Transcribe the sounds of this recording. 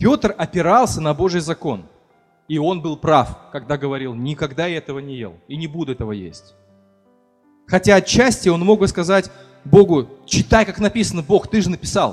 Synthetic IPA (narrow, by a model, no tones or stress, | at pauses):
pʲo̞t̪rɐpʲɪɾalˠsʲənɐbo̞ʐɨjzɐko̞n | io̞nbɨlˠpɾafkɐɡ̚d̪aɡəvɐɾʲilˠnʲɪkɐɡd̪aɛt̪əvənʲɪjḛlˠinʲɪbud̪ʊɛt̪əvəjḛsʲtʲ | xɐtʲaɐt͡ɕːæsʲtʲɪo̞nmo̞ɡ̚bɨskɐzatʲ | bo̞ɡʊt͡ɕɪt̪ajkaknɐpʲisənəbo̞xt̪ɨʐɨnəpʲɪ̥salˠ